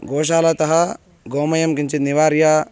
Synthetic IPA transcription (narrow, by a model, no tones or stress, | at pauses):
ɡoːʃ̬aːlɐt̪ɐɦɐ | ɡoːmɐjɐmkint͡ʃit̪̚niʋaːɾjɐ